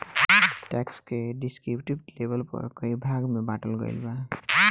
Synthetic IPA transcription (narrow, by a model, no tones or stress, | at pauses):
ʈɛkskeɖiskɾipʈip̚ʈlebəlpʌ̰ɾkəibʱaɡmebaʈəlɡə̰ɪlba